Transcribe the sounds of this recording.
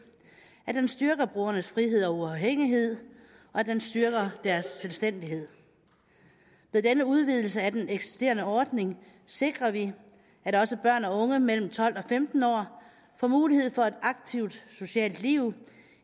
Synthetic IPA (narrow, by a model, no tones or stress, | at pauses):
æd̥ensd̥ɶɐɡ̥ɐb̥ʁuːɐnəsfʁiɦe̝ð̞̰ˠɒoɐɦeŋ̰iɦe̝ð̞̰ˠ | ɒ̽æd̥ensd̥ɶɐɡ̥ɐd̥æɐsːelsd̥en̰d̥iɦe̝ð̰ˠ | með̞ˠd̥enəuð̞ˠʋið̞̰ˠl̩s̬əæd̥eneɡ̥si̥sd̥e̝̰ːɐnəɒːd̥ne̝ŋ | se̝ɡ̥ʁɐʋi | æd̥ɒ̽səb̥ɶɐ̰nɒ̽ɔ̽ŋəmel̰m̩t͡sʰɒ̽l̰d̥ɒ̽femd̥n̩ɒ̰ː | fɒmuːlihe̝ð̰ˠfɒ̽e̝d̥ɑ̈ɡ̥̚t͡sʰiʊ̰d̥so̝ɕɛ̰ːld̥liʊ